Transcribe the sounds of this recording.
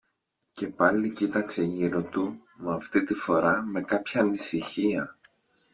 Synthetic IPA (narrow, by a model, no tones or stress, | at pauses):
ce̞pɐlicit̪ɐkse̞ʝiɾot̪u | mɐft̪it̪ifo̞ɾɐme̞kɐpçɐːnisiçiɐ